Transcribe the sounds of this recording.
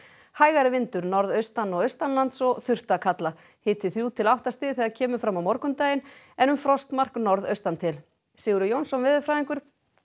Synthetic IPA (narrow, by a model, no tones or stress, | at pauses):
haːjɣaɾɪvɪnt̪ʏɾnɔɾðœɥst̪anːɔɣœɥst̪anlant̪sɔɣθʏr̥t̪akʰat̪la | hɪːt̪ɪθɾjuːt̪ʰɪlawht̪ast̪ɪːðθiɛðaðcʰɛːmʏfɾamawmɔɾkʏmt̪aːjɪn | ɛnʏmfɾɔst̪mar̥knɔɾðœɥst̪ant̪ʰɪl | sɪːɣʏɾʏjownsɔnvɪðʏfɾaːðiŋkʏɾ̥